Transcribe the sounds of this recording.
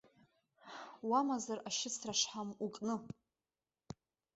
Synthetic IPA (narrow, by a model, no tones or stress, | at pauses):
wamazaraʃɪt͡sʰraʂħamukʼnɨ